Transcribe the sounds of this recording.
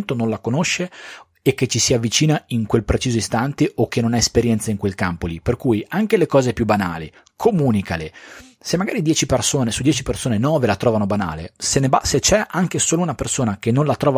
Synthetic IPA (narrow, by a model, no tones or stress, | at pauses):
nt̪ononlakonoʃːe | ek̟ːet͡ʃːisiavːit͡ʃiːnaiŋkwelpɾet͡ʃiːzoist̪ant̪eʔok̟ːenonaespeɾjɛnt̪saiŋkwelkampoliperkuːjaŋkelekɔːzepjubana̰ːlḭ | kʰomuːnikale | semːaɡaːɾid̪jɛːt͡ʃipersoːnesud̪jɛːt͡ʃipersoːnenɔːvelat̪ɾɔːvanobana̰ːlḛsenebaset͡ʃɛʔaŋk̟esoːlounapersoːnak̟enːõnlat̪ɾɔːva